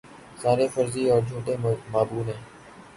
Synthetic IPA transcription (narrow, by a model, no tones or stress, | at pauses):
saːɾeːfəɾziːɔːɾd͡ʒʱuːʈeːmaːbuːnẽː